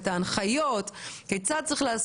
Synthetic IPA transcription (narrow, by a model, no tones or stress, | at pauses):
t̪aːnχajot̪kejt͡sad̪̚t͡sʁiχlaas